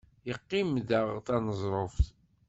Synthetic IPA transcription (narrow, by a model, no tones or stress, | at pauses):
jəqːimðəʁt̪ɑnəzˤɾˤoft